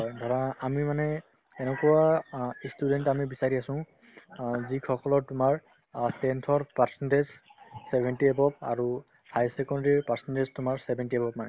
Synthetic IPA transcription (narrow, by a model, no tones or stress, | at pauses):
ɦɦɔjdʱɔɹɔnaːmimanɛ | ɛnɛkɔwastudɛntamibisaɹiasʊ̃ | zikʰɔkɔlɔɹtʊmaɹ | sɛntʰɔɹpaɹsɔndezsɛbʱɛntiɛbɔp̚a̰ɹu | fʰajsɛkɔndaɹiɹpaɹsɔndeztʊmaɹsɛbʱɛntiebɔp̚manɛ